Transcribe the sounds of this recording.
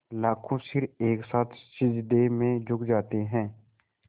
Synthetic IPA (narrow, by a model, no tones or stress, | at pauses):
laːkʰõsɪɾeːksaːt̪ʰsɪd͡ʒd̪emẽd͡ʒʱʊkd͡ʒaːt̪eɦɛ̃ː